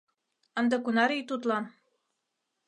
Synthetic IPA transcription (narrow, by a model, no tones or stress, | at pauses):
ɤ̆nd̪ɤ̆kunɑɾijt̪ut̪lɑn